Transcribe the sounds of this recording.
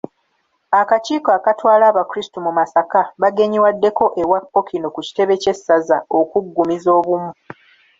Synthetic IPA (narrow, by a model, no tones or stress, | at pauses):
akaciːkaːkatwaːlaːβakuɾistumumasakaβaɡe̞ɲiwadːe̞ko̞ʔe̞wapːo̞kino̞kuci̥te̞βe̞ce̞sːazao̞kuɡːumizo̞ːβumu